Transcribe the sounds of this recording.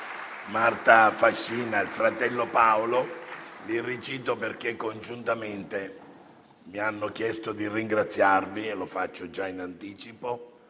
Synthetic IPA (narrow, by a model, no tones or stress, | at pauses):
mart̪afaʃːiːnailfɾat̪ɛlːopaololirit͡ʃiːt̪operk̟ekːond͡ʒunt̪ament̪e | mianːok̟jɛst̪od̪iriŋɡɾat̪sːjarvilofat͡ʃːod͡ʒainant̪iːt͡ʃipo